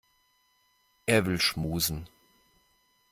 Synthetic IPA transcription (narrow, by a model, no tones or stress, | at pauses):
ʔeːɐvɪlʃmuːzn̩